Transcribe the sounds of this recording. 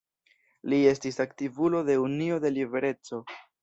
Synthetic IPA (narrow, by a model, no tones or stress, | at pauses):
lie̞stisaktivulo̞de̞unio̞de̞live̞ɾe̞t͡so̞